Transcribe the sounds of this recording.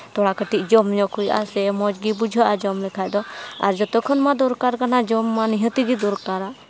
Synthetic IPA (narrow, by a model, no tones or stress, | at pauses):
t̪ɔɽakəʈiʔd͡ʒɔmɲɔkujʔa̰sɛmɔd͡ʒɡibud͡ʒʱɔʔad͡ʒɔmlɛkʰajd̪ɔa̰ɾd͡ʒɔt̪ɔkʰɔnmad̪ɔɾkaɾkanad͡ʒɔmːaniɦət̪iɡid̪ɔɾkaɾa